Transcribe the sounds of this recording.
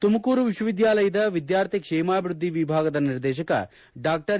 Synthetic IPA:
t̪umɐkuːɾuʋiʃwɐʋid̪jaːlɐjɐd̪ɐʋid̪jaːɾt̪ʰikʂɛːmaːbʱiɾud̪ʱːiʋibʱaːɡɐd̪ɐniɾd̪ɛːʃ̬ɐkɐ̰ | ɖaːk̚ʈɐɾ

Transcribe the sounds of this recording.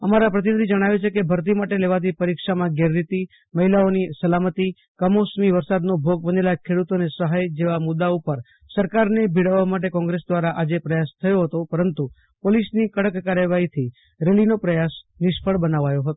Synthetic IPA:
əmaɾapɾət̪inəd̪id͡ʒəɽ̃aʋet͡ʃʰekebʱəɾt̪̬imaʈeleʋat̪̬ʰipəɾikʃamãɡeɾɾit̪i | məɦilaonisəlamət̪i | kəmosmiʋəɾsad̪nobʱoɡ̚bənelakʰeɽut̪onesəɦajd͡ʒeʋamʊd̪ːaupəɾ | səɾkaɾnebʱiɽəʋːamaʈ̬ekɔ̃ŋɡɾesd̪ʋaɾaʔad͡ʒepɾəjast̪ʰəjoɦət̪opəɾənt̪u | polisnikəɽəkːaɾjəʋaɦit̪ʰi | ɾeɭinopɾəjasnɪʃpfʰəɭbənaʋajoɦət̪o

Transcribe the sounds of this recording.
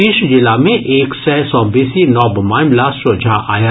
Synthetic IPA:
iːʃd͡ʒɪlamẽʔeːksɛːsɔ̃ːbiːsinɔːbmaːɪ̃mlassod͡ʒʱaʔa̰ːja

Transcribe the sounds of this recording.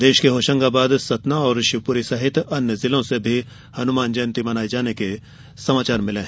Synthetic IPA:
d̪eːʃkeɦoːʃə̃ŋɡabaːd̪sɐt̪naɔːɾʃɪʋpuːɾisɐɦɪt̪ɐnjəzɪlõsebʱi | hɐnʊmaːnd͡ʒɐːnt̪imɐnaːid͡ʒaːneke | sɐmaːt͡ʃaːɾmɪlẽɦ

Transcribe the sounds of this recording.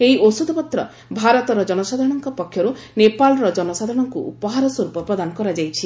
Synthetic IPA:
eɦiosud̪ʱɔpɔt̪ɾɔ̰ | bʱaɾɔt̪ɔɾɔd͡ʒɔnɔsad̪ʱɾɔɽ̃ɔŋkɔpɔkʰːjɔɾunepalɔɾɔd͡ʒɔnɔsad̪ʱɾɔɽ̃ɔŋkuʔupɔɦaɾɔsɔɾupɔpɾɔd̪ʱanɔkɔɾad͡ʒajt͡ʃʰi

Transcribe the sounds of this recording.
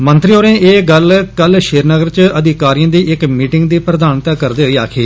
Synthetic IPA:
mənt̪ɾioːɾẽːʔeːɡəlkəlʃɪːɾnəɡəɾt͡ʃəd̪ʱɪkaːɾijãːd̪iːʔɪkmiːʈɪŋɡd̪iːpɾəd̪aːnt̪aːkəɾd̪eːɦoiːaːkʰeː

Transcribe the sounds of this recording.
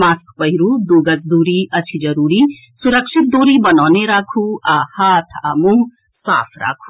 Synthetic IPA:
maːskpəɦiɾud̪uɡət͡sd̪uːɾiɐt͡ʃʰid͡ʒəɾuːɾi | suɾəkʃʰit̪̚d̪oːɾibənaːneɾaːkʰuahaːt̪ʰamu | sa̰ːpʰɾa̰ːkʰu̥

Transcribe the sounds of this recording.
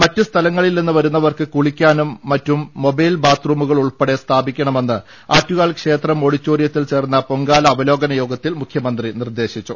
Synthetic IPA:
mɐtːust̪ʰɐlɐŋːɐɭilninːɨʋɐɾunːɐʋɐrkɨkuɭikʲːaːnumːɐtːumːo̞bɐjlbaːt̪ruːmuɣɐɭuɭpeɽe̞st̪ʰaːbikʲːɐɳɐme̞nːɨ | aːtːuɣaːɭkʂe̞ːt̪rɐmo̞ɽit͡ɕːoːrijɐt̪ːilt͡ɕe̞ːrnːɐpoŋɡaːlɐːʋɐlo̞ːɡɐnɐjo̞ːɡɐt̪ːilmukʰjɐmɐnd̪rinird̪e̞ːɕit͡ɕːu

